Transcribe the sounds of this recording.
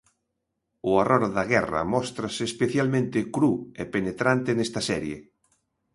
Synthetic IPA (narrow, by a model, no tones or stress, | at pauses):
ʊarʔoɾðaɣɛrɐ̰mɔst̪ɾɐsɪːspeθjalmẽnt̪ɪkɾuepenet̪ɾant̪enest̪ɐsɛɾjḛ